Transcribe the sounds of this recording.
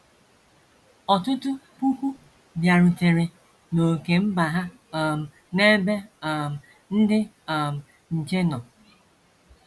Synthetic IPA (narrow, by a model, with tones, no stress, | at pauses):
ɔ˨tʊ˦tʊ˦pu˦kʷu˦ | bja˨ɾʊ˨te˨ɾe˨ | no˨ke˨m̩˦ba˨ɦa˦˨ | m̩˨ | ne˦be˦˨m̩˨ | n̩˦dɪ˦ | a˨m̩˨ | n̩˨t͡ʃe˦nɔ˨